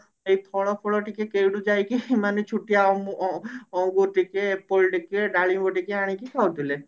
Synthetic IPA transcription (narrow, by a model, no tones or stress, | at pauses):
ejt̪ʰɔɭɔpʰɔɭɔʈikekewɽud͡ʒajkemanet͡ʃʰuʈijaɔ | ɔŋɡut̪ikepolʈikeɖaɭiboʈikeaɽ̃ikikʰawt̪ile